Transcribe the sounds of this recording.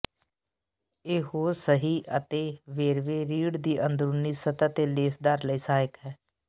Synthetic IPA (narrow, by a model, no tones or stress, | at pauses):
eːɦoːɾsəɦiːʔət̪eːʋeːɾʋeːɾiːɽd̪iːʔənd̪ɾuniːsət̪at̪eːleːsd̪əɾləiːsaːjəkɦɛː